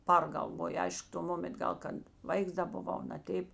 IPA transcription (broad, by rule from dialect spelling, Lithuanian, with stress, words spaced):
ˈpɐrɡɐlˠʋoːjʊ ˈɐɪʃk toː ˈmoːmʲɛnt ˈɡɐlˠ kɐt ˈʋɐɪks ˈdɐ bʊˈʋɐʊ nɐˈtʲɛɪp